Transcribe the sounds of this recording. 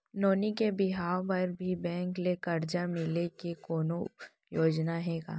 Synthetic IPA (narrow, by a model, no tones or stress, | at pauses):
noːnikebɪɦaːpɐɾbʱibɛ̃ːŋklekɐɾd͡ʒamɪlekekoːno | joːd͡ʒnaɦɛːɡa̰ː